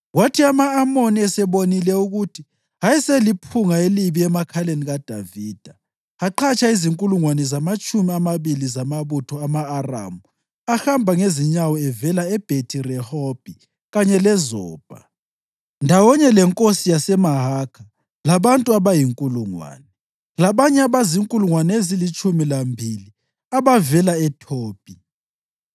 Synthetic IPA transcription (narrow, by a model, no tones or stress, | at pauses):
watʰiamaːmoniɛsɛβonilɛuɣutʰi | ɦajiselipʰuŋaeliβiɛmakʰaleniɣad̥ʱa̰viːd̥ʱaː | ǃʰat͡ʃʰʼaiziŋkʼuluŋwanɛzamat͡ʃʼumiamaβilizamaβutʰɔamaːra̰mu | axambʱaŋeziɲawɔɛvɛlaɛb̥ʱetʰirɛhɔb̥ʱi | ɣaɲɛlɛzɔːb̥ʱa̰ | ndʱawɔɲɛlɛŋkʼosijasɛmaɦakʰa | laβantʼuaβajiŋkʼuluŋwa̰ːnɛ | laβaɲɛaβaziŋkʼuluŋwanɛezilit͡ʃʼumilambʱili | aβavɛlaɛtʰoːpʼi